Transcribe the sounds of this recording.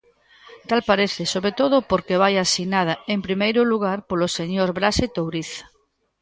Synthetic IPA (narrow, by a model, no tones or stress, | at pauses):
t̪alpaɾeθesoβɾet̪oðopoɾkeβ̞ajasinað̞aempɾimejɾʊluɣaɾpoloseɲoɾβɾaset̪owɾiθ